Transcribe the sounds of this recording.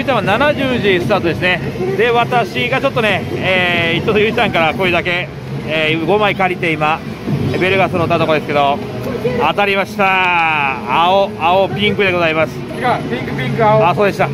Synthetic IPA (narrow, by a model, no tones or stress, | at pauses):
it̪amananaʑɨːʑisɨ̥t̪aːt̪o̞d̪esɨne̞d̪e̞βat̪aɕiɡat͡ɕo̞t̪ːo̞ne̞eːit̪ot̪ojɯ̟t̪ãŋkaɾako̞id̪ake̞ | eːɡo̞maikaɾʲit̪e̞ima | ebe̞ɾɯ̟ɡasɨɾot̪ːat̪oko̞d̪e̞sɨ̥ke̞d̪o̞ | at̪aɾʲimaɕi̥t̪aː | oaopʲĩŋkɯ̟d̪eɡo̞zaimasɨ̥ | ĩkɯpʲiŋkaaso̞ːd̪e̞ɕi̥t̪a